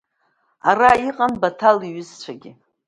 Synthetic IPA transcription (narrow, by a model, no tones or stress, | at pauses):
araiqʼanbatʰaliɥɪzt͡ʃʷʰaɡʲɪ